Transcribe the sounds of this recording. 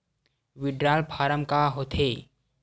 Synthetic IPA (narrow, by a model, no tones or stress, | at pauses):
ʋɪɖɾaːlpʰaːɾəmkaɦot̪ʰeː